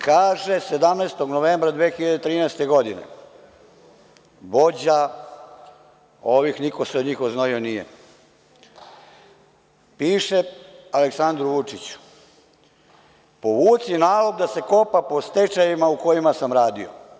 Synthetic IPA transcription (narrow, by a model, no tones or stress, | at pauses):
kaːʒe̞se̞d̪amneːst̪o̞ɡnoʋeːmbɾad̪ʋexiʎad̪et̪ɾiːnɛːst̪e̞ɡo̞d̪inḛ | bo̞d͡ʑa | oʋixniko̞seod̪ɲiːxoznoʋionijḛ | piːʃealeksand̪ɾuʋut͡ʂit͡ɕu̥ | poʋuːt̪sinaːloɡd̪ase̞ko̞papo̞st̪et͡ʃajimauko̞jimasamɾaːd̪io̰